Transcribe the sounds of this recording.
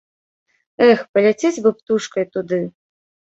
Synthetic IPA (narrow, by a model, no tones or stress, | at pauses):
ɛxpɐlʲat͡sʲet͡sʲvɨpt̪uʂkɐjt̪ud̪ɨ